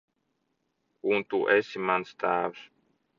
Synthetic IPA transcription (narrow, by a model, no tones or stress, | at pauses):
unt̪uʔesimanst̪æːws